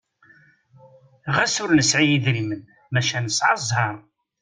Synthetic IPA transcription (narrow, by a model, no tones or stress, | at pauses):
ʁæsʊɾnəsʕijiðɾimən | mæʃænəsʕɑzˤhɑɾˤ